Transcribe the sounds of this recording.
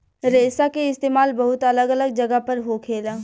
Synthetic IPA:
ɾeːsakeɪst̪eːmaːlbɐɦʊt̪ɐləɡələɡ̚d͡ʒɐɡəpɐɾɦokʰeːlaː

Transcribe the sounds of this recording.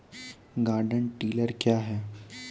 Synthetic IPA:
ɡaːɾɖəɳʈiːləɾkjaːɦɛː

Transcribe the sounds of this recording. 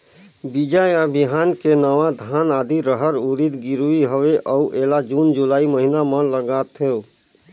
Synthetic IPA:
bid͡ʒajabɪɦaːnkenəʋad̪ʱaːnaːd̪iɾəɦəɾuɾid̪ɡɪɾuiɦoʋeʔɔuʔeːlad͡ʒuːnd͡ʒulaːiməɦinamə̃ləɡaːt̪ʰeo

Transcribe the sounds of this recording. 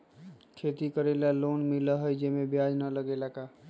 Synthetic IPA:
kʰet̪ikəɾelalonmiləɦəjd͡ʒemebjad͡ʒnələɡelaka

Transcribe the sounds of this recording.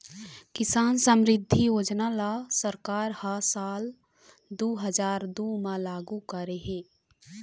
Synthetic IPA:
kɪsaːnsəmɾɪd̪ʱːijoːd͡ʒnalasəɾkaːɾhasaːl | d̪oːɦəd͡ʒaːɾd̪uːmãlaːɡukəɾeɦɛ̃ː

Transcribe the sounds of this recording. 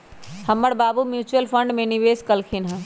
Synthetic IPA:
hɐmːəɽbaːbumjuːt͡ʃuəlpʰə̃ɳɖmẽniʋeːskəlkʰinɦɛ̃

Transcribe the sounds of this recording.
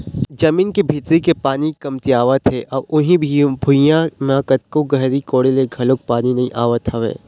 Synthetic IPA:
d͡ʒɐmiːnkebʱit̪ɾikepaːnikɐmt̪iaːʋət̪ʰɦeʔɔːɾʊnɦĩbʱibʱʊjãmãːkət̪̚koɡɐɦɾikoːɽeleɡʱɐlok̚paːninɐɦĩʔaːʋət̪ɦɐʋḛː

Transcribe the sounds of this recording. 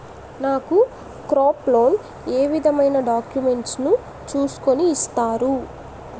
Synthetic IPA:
naːku | kɾaːplo̞ːn | eːʋid̪ʱɐmɐjnɐɖaːkjume̞ɳʈsnu | t͡ʃuːsu̥ko̞niːst̪aːɾu

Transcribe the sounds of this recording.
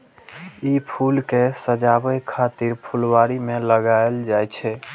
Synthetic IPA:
ipʰulkesəd͡ʒabəjkʰat̪iɾpʰulwaɾimeləɡaeld͡ʒajt͡ʃʰɛ

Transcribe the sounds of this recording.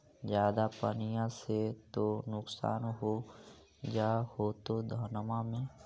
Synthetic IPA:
d͡ʒjaːd̪apənijãset̪onʊksa̰ːnɦo | d͡ʒaːhoːt̪od̪ʱəːnmamẽː

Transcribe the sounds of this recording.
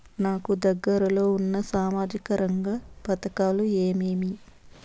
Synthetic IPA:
naːkud̪ɐɡːɐɾɐlo̞ːunːɐsaːmaːd͡ʒikɐɾɐŋɡɐpɐt̪ɐkaːlueːmeːmi

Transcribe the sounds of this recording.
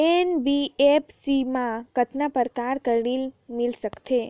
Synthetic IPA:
enbiepsimãkət̪napəɾkaɾkəɾɳilmɪlsəkt̪ʰe

